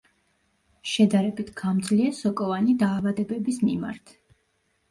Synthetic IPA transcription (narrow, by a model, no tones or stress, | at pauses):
ʃɛd̪aɾɛbit̪ʰɡ̥amd̪zliasɔkʼɔvanid̪aːvad̪ɛbɛbismima̰ɾt̪ʰ